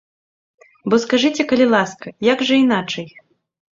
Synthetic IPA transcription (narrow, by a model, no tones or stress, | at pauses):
bɔskaʐɨt͡sʲɛkɐlʲilˠaskɐjaɡʐɐin̪at͡ʂɐj